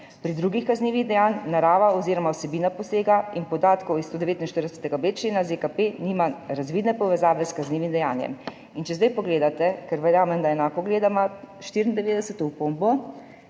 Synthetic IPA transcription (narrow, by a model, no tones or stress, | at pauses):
pɾid̪ɾuɡixkazniːʋiɣd̪ɛjaːnnaɾaːʋaɔziːɾɔmaɔsɛbiːnapɔseːɡainpɔd̪aːt̪kɔwist̪oːd̪ɛʋeːt̪inʃt̪əɾd̪ɛsɛ̥t̪ɛɡabet͡ʃlenazekapeniːmaɾazʋiːd̪nɛpɔʋɛzaːʋɛskazniːʋimd̪ɛjaːnjɛ̰m | int͡ʃɛzd̪ajpɔɡleːd̪at̪ɛkɛɾʋɛɾjaːmɛmd̪aɛnaːkɔɡleːd̪ama | ʃt̪iɾind̪ɛʋeːd̪ɛsət̪ɔupombɔ